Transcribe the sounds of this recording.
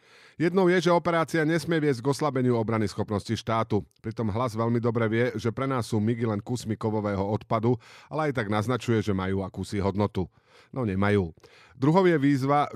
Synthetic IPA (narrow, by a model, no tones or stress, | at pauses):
jɛd̪nɔʊjɛʒɛɔpɛɾaːt͡siaɲɛsmɪɛʋɪɛzɟɡɔslabɛɲɪuɔbɾanisxɔpnɔsciʃt̪aːt̪upɾit̪ɔmɦlazʋɛʎmid̪ɔbɾɛʋɪɛʒɛpɾɛnaːsːuːmiɡilɛnkusmikɔʋɔʋɛːɦɔɔt̪pad̪ualɛajt̪̬aɡnaznat͡ʃujɛʒɛmajuːakuːsiɦɔd̪nɔt̪u | nɔɲɛmajuː | d̪ɾuɦɔʊjɛʋiːzʋa